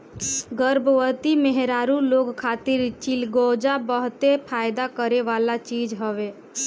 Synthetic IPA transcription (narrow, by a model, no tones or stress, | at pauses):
ɡəɾbəʋət̪imeɦɾaːɾuloːɡkʰat̪ɪɾt͡ʃilɡod͡ʒabəɦt̪epʰaːjd̪akəɾeʋaːlat͡ʃiːd͡ʒɦəʋe